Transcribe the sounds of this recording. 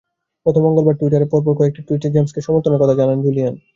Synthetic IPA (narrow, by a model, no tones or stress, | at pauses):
pɾot̪ʰomːɔŋɡolbaɾʈuiʈ̬aɾepɔɾp̬oɾkʰːoek̚ʈiʈuiʈid͡ʑemskeʃɔmoɾt̪ʰːoneɾkɔt̪ʰad͡ʑanand͡ʑulian